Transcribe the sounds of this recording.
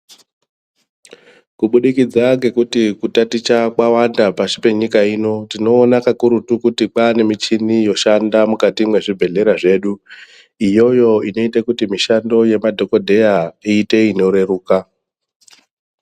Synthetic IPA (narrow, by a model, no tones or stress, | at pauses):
kuɓuɗikid͡zaŋɡe̞kutikutatit͡ʃakwawandapaʃipe̞ɲikaiːno̞tino̞ːnakakuɾutukutik͡paːne̞mit͡ʃinijo̞ʃandamukatimwe̞ʐibʱe̞ɮe̞ɾaʐe̞ːɗu | ijo̞jo̞ino̞itakutimiʃando̞je̞madʱo̞ko̞dʱe̞jaiːte̞ino̞ɾe̞ɾuːka